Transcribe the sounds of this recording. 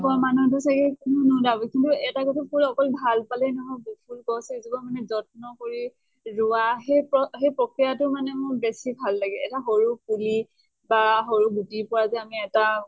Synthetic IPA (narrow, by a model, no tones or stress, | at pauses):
kɔmanut̬ʊsakɛknudabɔkintuɛtaɡɔtʰɛkuɹɔkɔlbʱalpalɛnɔmʊbupʰulkɔsɛzibɔmanɛzɔt̚nɔkoɹi | ɹʊwaɦepɔɦejpɹokɹijatʊmanɛmʊɹbesibʱalːaɡɛɛtaɦoɹukuli | baɦoɹuɡutipɔɹazɛamiɛta